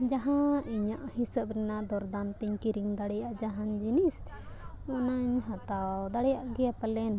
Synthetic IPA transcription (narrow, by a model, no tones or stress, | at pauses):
d͡ʒaɦãiɲəʔhisəp̚ɾɛnaʔd̪ɔɾd̪ant̪iɲkiɾiŋd̪aɽɛjaʔd͡ʒaɦand͡ʒinis | mɔnaɲɦat̪awd̪aɽɛjaʔɡɛjapalɛn